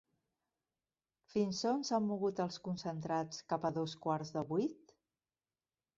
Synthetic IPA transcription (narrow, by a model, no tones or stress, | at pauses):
finsonzamːuɣut̪əlˠskunsənt̪ɾat͡skapəðoskwaɾzðəβujt̪